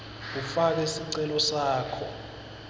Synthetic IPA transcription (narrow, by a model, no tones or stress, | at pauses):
k̬ufak̬esiǀɛlɔsaːkʰɔ